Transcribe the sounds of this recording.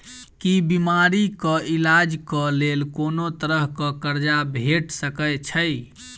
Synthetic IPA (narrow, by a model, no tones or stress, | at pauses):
kibimaɾikəʔilad͡ʒkəlelkonot̪əɾəɦkə̃kəɾd͡ʒabʱeʈsəkət͡ʃʰəj